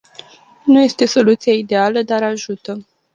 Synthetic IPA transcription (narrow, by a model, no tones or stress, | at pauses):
nuje̞st̪e̞so̞lut̪sijaid̪e̞aləd̪aɾaʒut̪ə